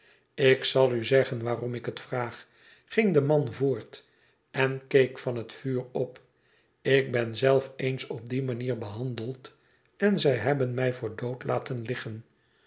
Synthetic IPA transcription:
ɪksɑlˠyzɛχənʋaːrɔmɪkətfraːχ | χɪŋdəmɑnvʊːɹt | ɛnkejkfɑnɦətfyːrɔp | ɪk̚bɛnzɛlˠfejnsɔb̚dimaniːɹbəɦɑndəlˠt | ɛnzɛjɦɛbənmɛjvʊːɹdowtla̰ːtənlɪχən

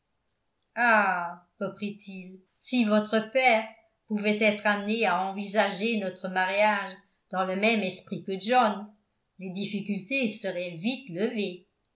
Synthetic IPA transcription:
aʁəpχit̪ʰil | sivɔt̪χəpɛːʁ | puvɛt̪ɛt̪χamneaɑ̃vizaʒenɔt̪χəmaʁjaʒ | d̪ɑ̃ləmɛmɛspχikəʒɔn | led̪ifikʲylt̪esəʁɛvit̪ləve

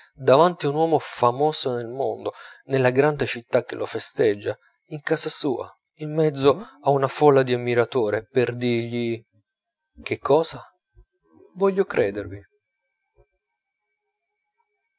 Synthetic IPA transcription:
d̪avant̪iunwɔːmofamoːsonelmond̪onelːaɡɾand̪et͡ʃit̪ːak̟ːelʔofest̪ed͡ʒːa | iŋkaːzasuːa̰ | imːɛd̪zːoaunafɔlːad̪iamːiɾat̪oːɾeperd̪irʎi | k̟ekʰːɔːza | vɔʎːokɾʔɛːd̪ervi

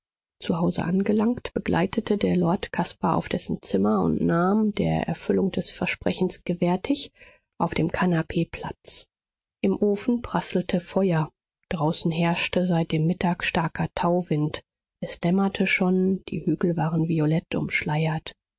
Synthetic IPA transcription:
t͡suhaʊzə̰ʔanɡəlaŋktb̥əɡlʔa̰ɪtʰətʰədeːɐlɔɐtkʰaspaʔa̰ʊfd̥ɛsn̩t͡sɪmɐʊ̰ntnaːmdḛːɐʔɛ̰ɐfʏlʊŋd̥ɛsfɛɐʃpʁ̥ɛçn̩sɡ̥əvɛɐtʰɪç | ʔaʊfd̥eːmkʰanapʰeːpʰl̥a̰t͡s | ʔɪmʔoːfn̩pʁ̥asl̩tʰəfɔʏɐ | d̥ʁaʊsn̩ɦɛɐʃtəzaɪt̚d̥eːmːɪtʰaːkʃtaɐkʰɐtʰaʊvɪnt | ʔɛsd̥ɛmɐtʰəʃoːnd̥ḭːhyːɡl̩vaːʁənviolɛtʔʊ̰mʃlaɪɐt

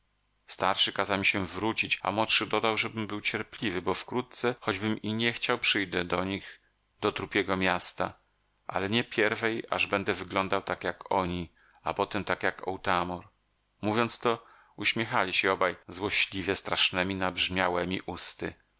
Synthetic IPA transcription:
st̪aɾʂɨkazawmiɕɛvɾut͡ɕit͡ɕa̰mɔtʂɨd̪ɔd̪awʐɛbɘmbɘwt͡ɕɛɾpʲlʲivɘbɔfkɾut̪̚t̪sɛxɔd͡ʑbɘmiɲɛxt͡ɕawpʂɘjd̪ɛd̪ɔɲix | d̪̥ɔt̪ɾupʲjɛɡɔmʲjast̪a̰ | ʔa̰lɛɲɛpʲjɛɾvɛja̰ʐbɛnd̪ɛvɘɡlɔnd̪awt̪akjakɔɲi | apɔt̪ɛmt̪akjakɔ̰wt̪amɔɾ | muvʲjɔnt̪st̪ɔ | uɕmʲjɛxalʲiɕɛɔbajzwɔɕlʲivʲjɛst̪ɾaʂnɛmʲinabʐmʲjawɛmʲiʔust̪ɘ̰

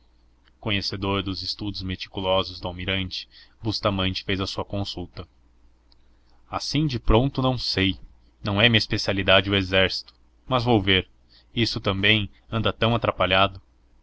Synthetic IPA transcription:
kõɲesed̪oɾd̪ʊzɪst̪ud̪ʊzmet͡ʃ̪i̥kulɔzʊzd̪ʊawmiɾɐ̃nt͡ʃɪ̥bust̪amɐ̃nt͡ʃɪ̥fejzɐsuɐkõsut̪ɐ | asĩd͡ʒɪpɾõnt̪ʊnɐ̃w̃sej | nɐ̃w̃ɛmĩɲɐispesialid̪ad͡ʒɪʊezɛɾsi̥t̪ʊ̥ | mɐzvowveɾ | isʊt̪ɐ̃mbẽj̃ | ɐ̃nd̪ɐt̪ɐ̃w̃at̪ɾapaʎad̪ʊ

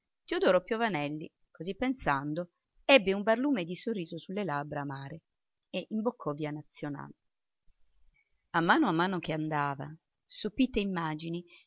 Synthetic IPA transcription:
t̪iod̪oːɾopjovanɛlːḭ | kozipːensand̪o | ɛbːeumbarluːmed̪isorːiːzosulːelabɾaːmaːɾe | eʔimbokʰːɔviːanat̪sːjona̰ːle | amːaːnoamːaːnok̟eand̪aːva̰ | supiːt̪eimːaːd͡ʒini

